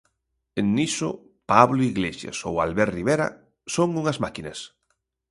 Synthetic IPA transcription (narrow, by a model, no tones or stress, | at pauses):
ennisʊ̰ | paβloiɣleʃja̰sowalβɛɾriβeɾɐ̰ | soŋuŋɐzmakinɐs